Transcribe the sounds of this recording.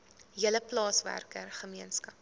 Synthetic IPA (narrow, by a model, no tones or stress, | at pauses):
ɦiələplɑːsvæ̰rkərχəmiənskɐp̚